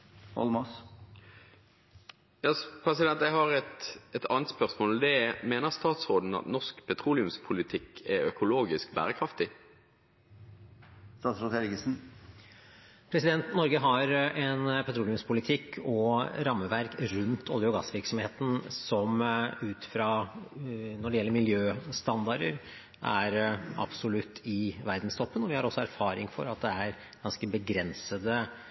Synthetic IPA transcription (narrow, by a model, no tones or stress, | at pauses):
ɔ̰lmɔs | jɑːspʰɾɛsɪd̪ɛnt̪jæhɑʁɛt̪ɛt̪ʰɑːnət̪spœʁsmoːld̪ɛmeːnəʁst̪ɑːt̪sʁoːd̪n̩ɑ̰t̪nɔskpʰɛt̪ʰʁuːlɪʉmspʰʊlɪt̪ʰɪkʰːɛœkʊloːɡɪskbæ̰ːʁəkʰʁɑft̪ɪ | st̪ɑːt̪sɾoːt̪ɛɾɡəsn̩ | pʰɾɛsɪd̪ɛnt̪nɔɾɡəɦɑɾɛnpʰɛt̪ʰɾulʊmspʰʊlɪt̪ʰɪkʰːɔɾɑmːəʋæɾkɾʉnt̪ʰɔ̰lɪɔɡɑsʋɪɾksɔmheːt̪n̩sɔmʉːt̪fɾɑː | nɔɖɛjɛlːəɾmɪljøːst̪ɑnd̪ɑɖə̰ɾ | ʔæɾɑ̰b̥sʊlʉt̪ːɪʋæɾd̪n̩st̪ʰɔpːənɔʋɪhɑɾɔsːɔæɾfɑːɾɪŋfɔ̰ɾɑt̪̚d̪ɛæɾ | ɡ̥ɑnskəbəɡɾɛnsəd̪ə